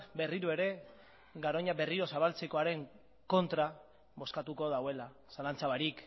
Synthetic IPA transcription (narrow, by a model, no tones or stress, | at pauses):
be̞riɾue̞ɾe̞ | ɡaɾo̞ɲabe̞riɾo̞saβalt͡se̞ko̞aɾe̞ŋ | ko̞nt̪ɾa | βo̞skat̪uko̞ðawe̞la | salant͡saβaɾik